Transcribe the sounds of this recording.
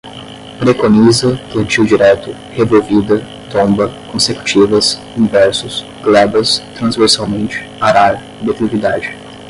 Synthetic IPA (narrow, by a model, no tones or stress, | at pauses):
pɾekonizɐplɐ̃nt͡ʃiwd͡ʒiɾɛt̪ʊ | hevowvid̪ɐ | t̪õmbɐkõseku̥t͡ʃivɐs | ĩvɛɾsʊs | ɡ̥lɛbɐst̪ɾɐ̃zveɾsawmẽnt͡ʃɪ̥aɾaɾ | d̪et̪ɾikid̪ad͡ʒɪ